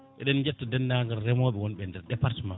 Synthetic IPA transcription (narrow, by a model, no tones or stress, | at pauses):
ɓɛ̰ɗɛnd͡ʒɛtːadɛnːaŋɡaɾːɛmɔɓɛwɔnɓɛndɛɾɗɛpaɾtima